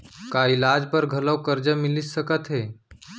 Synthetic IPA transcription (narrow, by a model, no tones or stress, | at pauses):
kailad͡ʒpəɾɡʱələwkəɾd͡ʒəmilissəkət̪ɦeː